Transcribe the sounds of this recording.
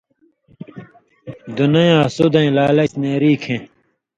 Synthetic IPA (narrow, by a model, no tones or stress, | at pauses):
d̪unɐjɐsud̪ɐ̃ĩlaːlɐt͡ɕneːɾiːkʰẽ